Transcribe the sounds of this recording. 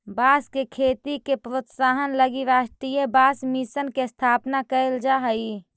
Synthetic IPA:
baːskekʰeːt̪ikepɾot̪saːɦənləɡiɾaːʃʈɾijəbaːsmisənkest̪ʰaːpnakəeld͡ʒaːɦəi

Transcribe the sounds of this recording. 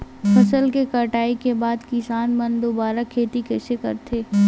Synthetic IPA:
fʰɐsəlkekɐʈaːikebaːd̪kɪsaːnmɐnd̪oːbaːɾakʰeːt̪ikɛːsekɐ̰ɾt̪ʰeː

